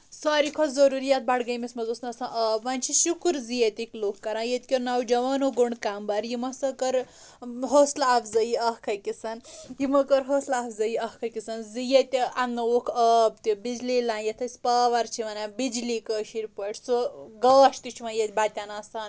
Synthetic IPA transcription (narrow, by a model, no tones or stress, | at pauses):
saːɾikʰozɐɾuɾijat̪̚baɽɡɐjmismɐzosnɐsãʔɐbʋɐnʲt͡ʃʰiʃukɾzijet̪ʲikloːkːɐɾãːjet̪ʲkʲoɾnɐwd͡ʒɐʋaːnoɡoɳkambɐɾjimɐsɐkɐɾ | ɦoslapʰzɐjiɐhkʰɐjkʲisɐnjimɐkɐɾɦoslaːpʰzɐjiɐhkʰɐkʲisɐnzijet̪ʲanːɐokʰɐbt̪ibid͡ʒlilãːjet̪ʰɐsʲpaːʋɐɾt͡ʃʰiʋɐnabid͡ʒlikəʃiɾpɐʈʰsuɡɐːʃt̪it͡ʃʰimɐjet̪ʲbaːt̪ʲanaːsaːn